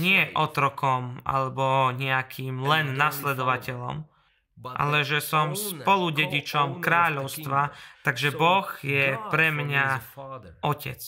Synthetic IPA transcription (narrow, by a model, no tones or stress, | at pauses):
ɲɪɛʔɔt̪ɾɔkɔma̰lɛbɔɲɛakʰiːmlɛnːaslɛd̪ɔʋacɛʎɔ̰m | ʔa̰lɛʒɛsɔmspɔluɟɛɟit͡ʃɔmkɾaːʎɔʊst̪ʋat̪aɡʒɛbɔɣjɛpɾɛmɲa | ɔcɛ̰t͡s